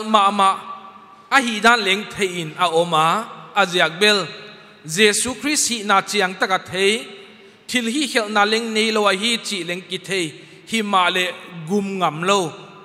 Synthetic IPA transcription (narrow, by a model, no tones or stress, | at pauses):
lmaʔmaʔ | ɐɦidanlɛŋtʰejʔinɐʔɔmaːɐziak̚bɛl | zɛsukʰɾist̚hiʔnaːt͡siɐŋt̪ak̚atʰej | tʰilɦihɛlʔnalɛŋnejlowaɦit͡ʃilɛŋkit̪ʰej | himaʔlɛɡumŋamlow